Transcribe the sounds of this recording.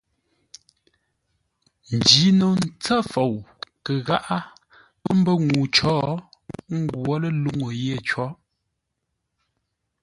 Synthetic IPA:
n̩˨d͡ʒi˨˦no˨n̩˦t͡sa˦fo˨wkə˨ɣa˦ʔa˦ | m̩˦bə˦ŋu˨t͡ʃɔː˦ | ŋ̩˦ɡwɔ˦lə˦lu˦ŋo˨je˦˨t͡ʃɔ˨˦

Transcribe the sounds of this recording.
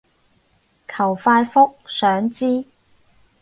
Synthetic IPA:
kʰɐ˨˩wfaː˧tfʊ˥k̚sœː˨˥ŋt͡siː˥

